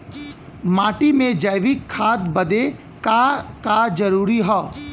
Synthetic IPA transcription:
maːʈimẽd͡ʒajʋikʰːaːt̪bɐd̪e | kakaːd͡ʒɐɾuːɾiɦɔː

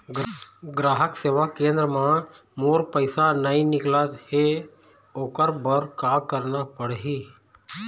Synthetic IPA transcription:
ɡɡɾaːɦəkseːʋakẽːnd̪ɾəmã | moːɾpəɪsanəĩnɪklət̪ɦe | oːkəɾbəɾkaːkəɾnapəɽɦi

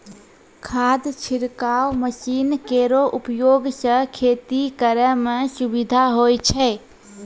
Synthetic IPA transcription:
kʰad̪t͡ʃʰiɾkawməsinkeɾoʔupjoɡsə̃kʰet̪ikəɾəmesubid̪ʱaɦojt͡ʃʰɛ

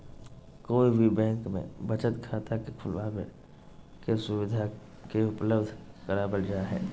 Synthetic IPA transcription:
koːibʱibɛ̃ːŋkmḛ̃bɐt͡ʃət̪kʰaːt̪akekʰʊlʋaːbḛ | kesʊwɪd̪ʱa | keʊpləbd̪ʱkəɾaːbəld͡ʒaːɦɛ̰ː

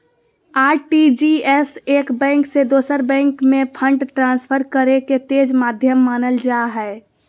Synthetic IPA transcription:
aːɾʈid͡ʒiɛsekbɛ̃ːŋksed̪oːsəɾbɛ̃ːŋkmẽpʰəɳɖʈɾãːnspʰəɾkəɾeket̪eːd͡ʒmaːd̪ʱjəmːaːnəld͡ʒaɦɛ

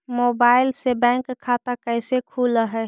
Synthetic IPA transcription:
mobaɪlsebɛ̃ŋkʰːat̪akəjsekʰuləɦɛ

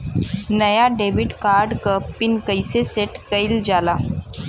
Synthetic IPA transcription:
nəjaɖebiʈkaɾɖkəpːinkəjseseʈkəild͡zala

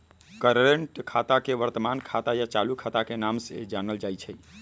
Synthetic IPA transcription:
kəɾːeɳʈkʰat̪akeʋəɾt̪əmankʰat̪ajat͡ʃalukʰat̪akenamsḛd͡ʒanəld͡ʒajt͡ʃʰə

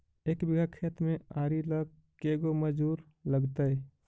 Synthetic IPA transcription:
eːkbɪɡakʰet̪mẽaːɾiləɡ | keɡoməd͡ʒuːɾ | ləɡt̪ə

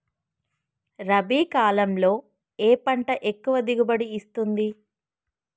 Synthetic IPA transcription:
ɾɐbiːkaːlɐmlo̞ː | eːpɐɳʈɐʔekːuʋɐd̪iɡubɐɽiːst̪und̪i

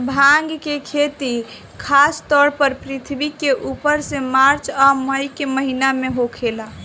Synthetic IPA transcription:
bʱaŋɡkekʰet̪i | kʰast̪ɔɽpəɾpɾit̪ʰbikeʔupəɾsẽmaɾt͡ʃaməjkeməɦinameɦokʰela

